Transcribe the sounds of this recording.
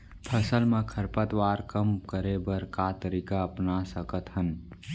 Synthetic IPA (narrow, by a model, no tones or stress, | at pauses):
pʰəsəlmẽkʰəɾpət̪waːɾkəmkəɾebəɾkat̪əɾiːkaəpnasəkət̪ɦən